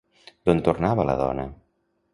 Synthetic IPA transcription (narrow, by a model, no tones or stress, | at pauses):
d̪̥ont̪urnaβələ̰ðɔ̰nə̰